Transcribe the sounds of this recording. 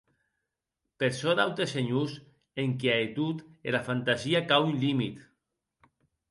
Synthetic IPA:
peɾsɔdawt̪eseɲus | eŋkeaet̪ut̪elafant̪aziakawynlimit̪

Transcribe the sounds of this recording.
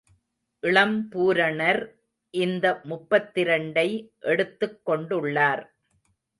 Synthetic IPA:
ʔɪɭɐmpuːɾɐɳɐɾ | ʔɪnd̪ɐmʊpːɐt̪ːɪɾɐɳɖɐɪʔɛɽɯt̪ːɯkːɔɳɖɯɭːaːɾ

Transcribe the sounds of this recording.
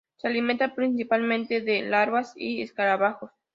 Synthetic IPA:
sealimẽnt̪apɾinsipalmẽnt̪eðelaɾβasḭeskaɾaβaxos

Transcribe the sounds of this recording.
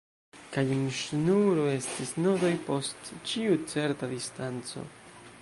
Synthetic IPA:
kajunʃnuɾoe̞stisnodo̞jpo̞stt͡ʃiut͡se̞ɾtad̪istant͡so̞̰

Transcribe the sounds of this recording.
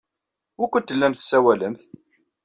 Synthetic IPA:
ʊkʷənt̪ːəlːæmθsːæwæləmθ

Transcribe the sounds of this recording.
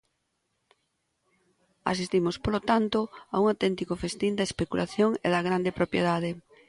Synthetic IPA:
a̰sist̪imospolot̪ant̪oauŋawt̪ɛnt̪ikofest̪ind̪aespekulʔaθjoŋḛðɐɣ̞ɾand̪epɾopjeðað̞e

